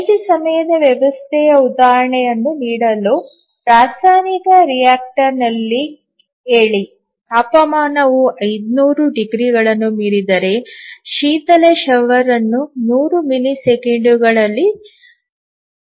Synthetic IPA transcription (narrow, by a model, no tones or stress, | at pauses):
ɐt͡ʃisɐmɐjɐd̪ɐʋjɐʋɐst̪ʰɛjɐud̪aːɾɐɳɛjɐnːuniːɽɐlu | pɾaːsaːnikɐɾijaːk̚ʈɐɾnɐlːi | eːɭi | kaːpɐmaːnɐʋuʔɐjd̪nuːɾuɖiɡɾiɡɐɭɐnːumiːɾid̪ɐɾe̞ʃiːt̪ɐleʃɐʋɐɾɐnːunuːɾumilisekeɳɖuɡɐɭɐlːi